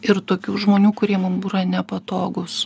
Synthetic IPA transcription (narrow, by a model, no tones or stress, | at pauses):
ɪɾt̪oːkʲuːʒmoːnʲuːkʊɾʲiɛmʊnbuːɾɐnʲɛpɐt̪oːɡʊs